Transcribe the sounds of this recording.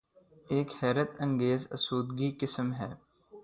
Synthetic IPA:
eːkhɛːɾət̪ə̃ŋɡeːzɐ̰suːd̪ɡikɪsmɦɛː

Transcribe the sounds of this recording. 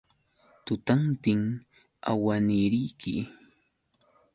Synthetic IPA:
t̪ʊt̪ant̪ɪŋ | a̰wanɪɾɪjkʰɪ̰

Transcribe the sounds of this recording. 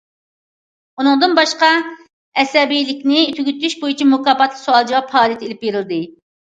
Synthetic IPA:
unɨŋd̪ɨnbɑʃqɑ | ɛsɛbijlɪkʲnɪt̪ʰyɡʲyt̪yʃbojit͡ʃʰimukɑːpɑt̪lˠəqsoɑlˠd͡ʒɑwɑphɑːlˠijɛt̪ʰelɪpjeɾɪlɨd̪ɪ

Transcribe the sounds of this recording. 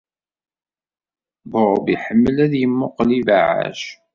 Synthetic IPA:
boɾˤbiħəmːəlæðjəmːʊqlivaʕa̰ʃ

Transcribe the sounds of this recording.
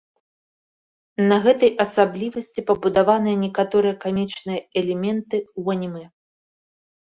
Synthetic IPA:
nɐɣɛt̪ɐjɐsablʲivɐsʲt͡sʲipɐbud̪avan̪ɨjɐnʲɛkat̪ɔɾɨjɐkamʲit͡ʂnɨjɐɛlʲɛmʲɛnt̪ɨwɐnʲimɛ

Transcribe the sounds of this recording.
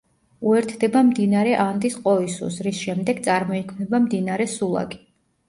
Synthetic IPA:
uɛɾt̪ʰd̪ɛbamd̪inaɾɛʔand̪isqʼɔisṵsɾisʃɛmd̪ɛɡ̥̚t̪sʼaɾmɔikʰmnɛbamd̪inaɾɛsulˠa̰ɡi̥

